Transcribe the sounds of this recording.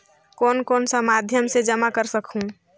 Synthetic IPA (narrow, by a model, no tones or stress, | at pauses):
koːnkoːnsəmad̪ʱjəmsed͡ʒəmakəɾsəkʰɦũ